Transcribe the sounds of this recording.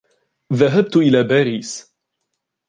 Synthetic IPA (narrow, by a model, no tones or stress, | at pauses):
ðaɦab̚t̪ʊʔɪlaːbaːɾiːs